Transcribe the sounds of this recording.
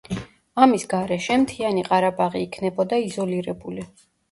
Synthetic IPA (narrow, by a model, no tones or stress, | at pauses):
amisɡaɾɛʃɛmt̪ʰianiqʼaɾabaʁiːkʰnɛbɔd̪aizɔliɾɛbuli